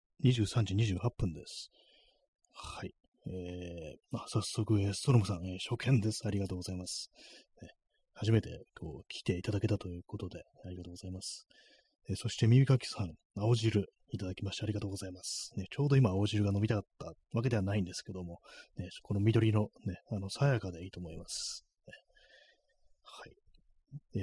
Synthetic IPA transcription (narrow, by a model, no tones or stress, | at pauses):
ɲ̟iʑɨːsãɲ̟d͡ʑiɲ̟iʑɨːhapːɯ̃nd̪e̞sɨ̥ | hai | eːmasasːo̞kɯ̟est̪o̞ɾomɯ̟sãɰ̃eːɕo̞kʰẽ̞nd̪e̞sɨ̥aɾʲiɡat̪oːɡo̞zaimasɨ̥ne | haʑime̞t̪e̞̰ko̞ːkʲʰi̥t̪e̞it̪ad̪ake̞t̪at̪o̞jɯ̟ːko̞t̪o̞d̪e̞aɾʲiɡat̪oːɡoz̥aimasɨ̥ | eso̞ɕi̥t̪e̞mʲibʲikakʲi̥sãŋ̃ | aoʑiɾɯ̟ | it̪ad̪akʲimaɕit̪eaɾiɡat̪oːɡo̞zaimasɨ̥ne̞t͡ɕo̞ːd̪o̞imaːoʑiɾɯ̟ɡano̞bʲit̪akat̪ːa | βak̬e̞d̪e̞βanaĩnd̪e̞sɨ̥ke̞d̪o̞mo̞ne̞kʰo̞no̞mʲid̪o̞ɾʲino̞ne̞ano̞sajakad̪e̞iːt̪o̞ːmo̞imasɨ̥ | e | hai